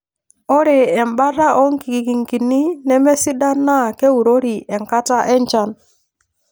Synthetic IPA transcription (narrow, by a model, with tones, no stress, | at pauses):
o˦ɾe˨ɛ˨mba˦ɾa˦ʔɔ˦ŋ˦ki˨ki˨ki˨ŋki˨ni˦nɛ˦mɛ˦si˦da˦nːa˦˨ke˦u˨ɾo˦ɾi˨ɛ˨ŋka˦ta˦ʔɛ˦ɲt͡ʃa˦n